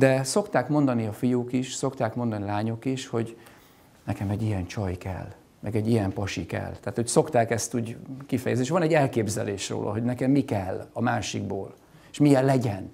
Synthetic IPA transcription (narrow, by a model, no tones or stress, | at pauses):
d̪ɛso̞kt̪aːkmo̞nd̪ɒniɒfijuːkiʃso̞kt̪aːkmo̞nd̪ɒnilaːɲokiʃho̞ɟ | nɛkɛmɛɟːijɛnt͡ʃɒjkɛ̰lː | mʔɛɡɛɟːijɛmpɒʃikɛ̰lt̪aːt̪hocso̞kt̪aːkɛst̪uːɟkifɛjɛzneʃʋɒnɛɟɛlkeːbzɛ̰leːʃro̰ːlʔɒ̰ɦo̞ɟnɛkɛmːikɛlːɒmaːʃiɡ̚bo̰ːl | eʃmijɛlːɛɟɛn